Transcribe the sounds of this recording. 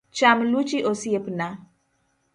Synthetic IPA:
t͡ʃamlut͡ʃiʔosiepna

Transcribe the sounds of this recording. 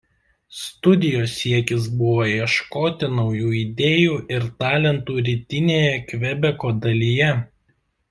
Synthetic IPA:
st̪ʊd̪ʲɪjoːsʲiɛkʲɪs̬bʊʋoːiɛʃkoːt̪ʲɪnɒʊjuːid̪ʲeːjuːʔɪɾt̪ɑːlʲɛnt̪uːɾʲiːt̪ʲɪnʲeːjɛkʲʋʲɛbʲɛkoːd̪ɐlʲijɛ

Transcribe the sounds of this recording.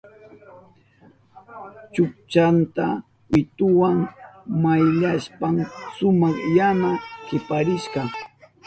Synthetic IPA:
t͡ʃʊk̚t͡ʃant̪a | wɪt̪ʊwaŋmajʎaspamsʊmɑχjamakɪpaɾɪʃɢɑ

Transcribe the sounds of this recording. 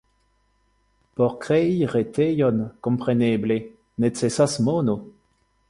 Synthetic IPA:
pɔʁkʁɛiʁet̪ʰejɔnkɔ̃mpχenɛːble | net͡sesasmɔno

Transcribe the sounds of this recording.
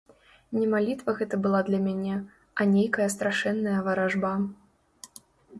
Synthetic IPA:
nʲɛmalʲit̪vɐɣɛt̪ɐbɨlˠad̪lʲɐmʲanʲɛ | ɐnʲejkɐjɐs̬t̪ɾaʂɛnːɐjɐvɐɾaʐba

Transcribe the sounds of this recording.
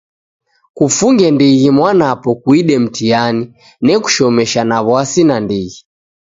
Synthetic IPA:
kufuŋɡɛndiɣimwanapɔkwiɗɛm̩tiani | nɛku̥ʃɔmɛʃanaβwasinandiɣi

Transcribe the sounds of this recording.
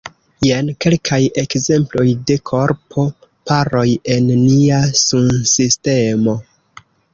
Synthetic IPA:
jenke̞lkʰaje̞kze̞mplo̞jde̞kʰo̞ɾpʰo̞ | paɾo̞je̞nːiasunsiste̞mo̞

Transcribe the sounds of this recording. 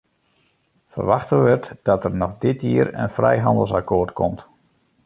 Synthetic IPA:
fə̰rʋaxtəʋətd̥ɔtərnɔxdɪtjiəɾə̰nfrɛ̰jɦɑndəlˠsakʰoːrtkʰɔmt

